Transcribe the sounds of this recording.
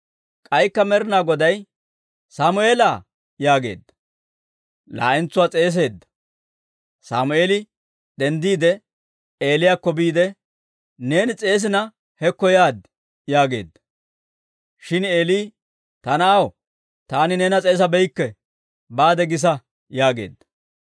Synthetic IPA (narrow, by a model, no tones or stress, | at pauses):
kʼɐjkːɐmɛɾɪnaːɡɔd̪ɐj | saːmʊe̞ːlaː | jaːɡe̞̰ːd̪ːɐ̥ | la̰ːʔɪnt͡sːʊwaːt͡sʼe̞ːs̬e̞ːd̪ːɐ̥ | sa̰ːmʊeːlɪ | d̪ɛnd̪iːd̪ɛ | e̞ːlɪjaːkːɔbiːd̪ɛ | ne̞ːnɪt͡sʼe̞ːs̬ɪnɐ | hɛkːɔjaːd̪ | jaːɡe̞̰ːd̪ːɐ̥ | ʃɪneːliː | t̪ɐnɐɐw | t̪aːnɪneːnɐt͡sʼeːs̬ɐbɛjkːɛ | baːd̪ɛɡɪs̬ɐ | jaːɡe̞̰ːd̪ːɐ̥